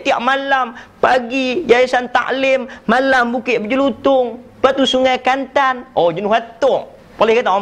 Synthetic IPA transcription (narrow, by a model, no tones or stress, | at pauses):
t̪iaʔmalampaɡijaisant̪a̰ʔlɪmːalambukɪʔbəd͡ʒulut̪ʊŋ | pat̪usuŋajkant̪anod͡ʒənʊɦwat̪ʊʔ | polɛhkat̪a